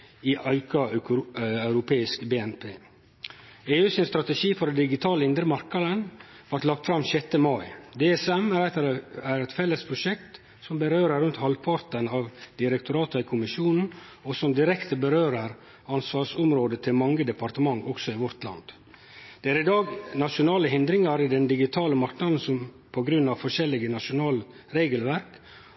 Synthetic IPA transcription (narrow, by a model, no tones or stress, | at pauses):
iʔɑɪkɑ | œʉɾʊpʰeːɪskbeːɛnpʰeː | eːʉːsɪnst̪ɾɑt̪əʃiːfɔɾd̪ɛnd̪ɪɡɪt̪ʰɑːləɪnd̪ɾəmɑɾkɑd̪ən | ʋɑɾʈ̪lɑkt̪fɾɑmʃɛt̪ːəmɑɪd̪eːɛsɛmæɾɛæɾɛt̪fɛlːəspʰɾʊʂɛk̚t̪ | sɔmbəɾøːɾəːʉnt̪hɑlpʰɑɾt̪ənɑːʋd̪̥ɪɾɛkt̪ʊɾɑːt̪əɪkʰʊmɪʃuːnn̩ɔsɔmd̪ɪɾɛkt̪ʰəbəɾøːɾəɾ | ɑnsʋɑːsʊmɾoːd̪ət̪ʰɪlmɑŋːəd̪ɛpɑɾt̪əmɑŋːɔksɔɪʋɔɾt̪lɑ̰nd̪̥ | d̪̥ɛæɾɪd̪ɑːɡnɑʂʊnɑːləɦɪnd̪ɾɪŋɑɾɪd̪ɛnd̪ɪɡɪt̪ʰɑːləmɑɾknɑd̪n̩sɔm | pʰɔɡɾʉnːɑʋfɔʂɛlːɪɡənɑʂʊnɑːl | ɾeːɡəlʋæɾk